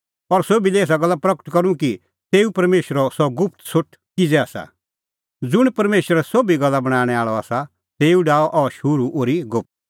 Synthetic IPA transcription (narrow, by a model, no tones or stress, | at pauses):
ɔɾsobilieːs̬aɡɐlːapɾɐkə̥ʈkɐɾũki | t̪eːupɐɾmeːʃɾɔsɔɡʊp̚ʰt̪sʊʈʰ | kid͡zɛaːsa̰ | d͡zʊɽ̃pɐɾmeːʃəɾɛsobiɡɐlːabɐɽ̃aːɽ̃ɛaːɭɔaːsa | t̪eːũɖaːɔʔɔʃʊɾuʔoːɾiɡʊp̚t̪̚